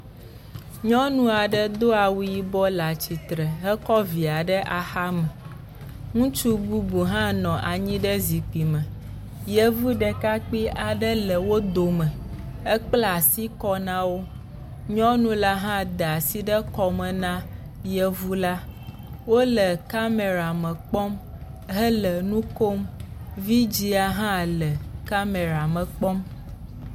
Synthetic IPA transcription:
ɲɔ̃˦nũ˦a˨ɖə˦d̪o˦a˨wu˦ji˨bɔ˦la˨t͡ɕi˨t̪ɾɛ˨ɦɛ˦kɔ˦vi˨a˨ɖə˦ʔa˨xa˦mɛ˨ | ŋũ˦t͡ʃu˦bu˦bu˨ɦã˦nɔ̃˨ʔa˨ɲĩ˦ɖɛ˦zi˨k͡pi˨mɛ̃˨ | jə˦vu˦ɖɛ˨ka˦k͡pi˦ʔa˨ɖə˦lɛ˨wo˦d̪o˨mɛ̃˨ | ɛ˦k͡pla˨si˦kɔ˦nã˦wo˦ | ɲɔ̃˦nũ˦la˦ɦã˦d̪ə˨a˨si˦ɖə˦kɔ˨mɛ̃˨nã˦ | jə˨vu˦la˦ | wo˦lə˨ka˦me˨ɾa˨mɛ̃˨k͡pɔ˦m | ɦə˦lə˨nũ˦ko˦mvi˦d͡ʑi˦a˨ɦã˦lə˨ka˦me˨ɾa˨mɛ̃˨k͡pɔ˦m

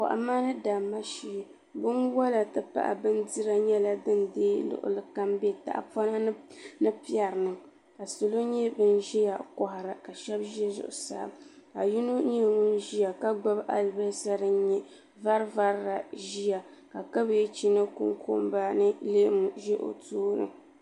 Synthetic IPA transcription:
ka̰˨ʔa̰˨maː˦nɨ˦da˨mːa˦ʃi˦˨ | bɨ˦nwɔ˦la˨tɨ˦pa̰˦ʔa̰˨bɨ˦n˦di˦ɾa˦ɲɛ˦la˨dɨ˦ndeː˦lʊ̰˦˨ʔʊ̰˨lɨ˦ka˦mbɛ˦ta̰˨ʔpɔ˦na˦nɨ˦pi˦ɛ˨ɾɨ˨nɨ˨ | ka˨so˨lo˦ɲɛ˦bɨ˦nʒɛ˦ja˨kɔ˨hʊ˨ɾa˨ka˨ʃɛ˦bʒɛ˦zʊ̰˨ʔʊ̰˨sa̰ː˦mka˨ju˦nu˦ɲɛ˦˨ŋʊ˦nʒi˦ja˨ka˦ɡ͡ba˦bʔa̰˨lba˦sa˦ɾɨ˦ɲɛ˦ | va˦ɾva˦ɾɾa˨ʒi˦ja˨ka˨ka˦bt͡ʃi˦nɨ˦kṵ˦ŋkʰo̰˦mba˦nɨ˦le˦m˨ʒɛ˦ʔo̰˨tuː˦nɨ̰˨

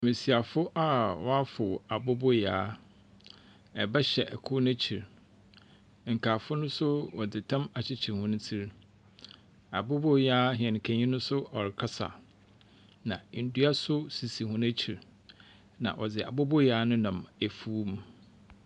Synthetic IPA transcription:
mĩ˨si˨a˨fʊ˦ʔa˦wɔ˦a˦fʊ˨a˨bɔ˦bʊ˦jaː˨˦ | ɛ˨bɛ˦ɕɛ˨ʔɛ˨kʰʊ˦næ̃˦t͡ɕʰi˨ɾ | ŋ̩˨kʰaː˨fʊ˦nʊ̃˦sʊ˦wɔ˨dɪ˨tʰã˦ma˨t͡ɕʰɪ˦t͡ɕʰɪ˨hʊ̃˦ñ̩˦tʰi˦ɾ | a̰˨bʊ˦bʊ˦jaː˦ɦɛ̃˨n˨kʰæ̃˨ɲĩ˦nʊ̃˦sʊ˦ɔ˨ɾɪ˨kʰa˦sa̰˨ | nã˨n̩˨du˦a˦sʊ˦si˨si˨hʊ̃˦næ˦t͡ɕʰi˨ɾ | nã̰˨ʔɔ˨d͡zɪ˨a̰˨bɔ˦bʊ˦jaː˦nʊ̃˦nã˨mæ˨fuː˦m˦

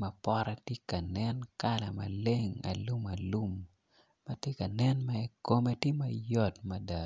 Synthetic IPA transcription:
mɐ˨pɔ˦ɾa˦tje˦ka˨nɛ˦nka˦la˨ma̰˨le˦ŋa̰˨lu˦ma˨lu˦m | ma˦tje˦ka˨nɛ˦nma˦ko˦me˦tje˦mɐ˨jɔ˦tmɐ˦da˨

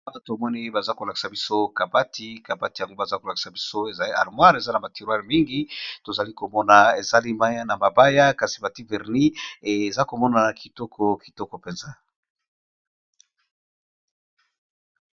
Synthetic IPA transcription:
a˦na˦to˨mɔ˦ni˦ba˨za˦ko˨la˨ki̥˨sa˨bi˦so˦ka˨ba˦ti˦ka˨ba˦ti˨ja˨ŋɡo˦ba˨za˦ko˨la˨ki̥˨sa˨bi˦so˦e˨za˨li˦a̰˨ʁmwa˦ʁe˨za˦na˨ba˨ti˨ʁwa˦ʁmi˦ŋɡi˦to˨za˨li˦ko˨mɔ˦na˨e˨za˦li˦ma˦ja˦na˨ma˨ba˦ja˦ka˨si˨ba˨ti˦vɛ˨ʁni˦e˨za˦ko˨mɔ˦na˨na˨kʰi˨tɔ˦kʰɔ˨ki˨tɔ˦kɔ˨pe˨nza˦

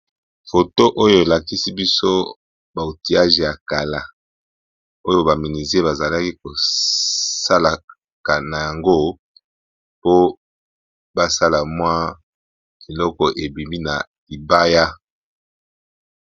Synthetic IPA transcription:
fo˨to˦ʔo˦jo˦˨e˨la˨ki˦si˦bi˦so˦ | ba˨o˨ti˨a˦ʒe˨ja˨ka˨la˨ | o˦jo˦ba˨mi˨ni˨ze˦ba˨za˨la˦ki˦ko˨ | sa˦la˨ | ka˨na˨ja˨ŋɡo˦ | po˦ | ba˦sa˦la˨mwa˦ | e˨lɔ˦kɔ˨ʔe˨bi˨mbi˦na˨ | i˨ba˦ja˦

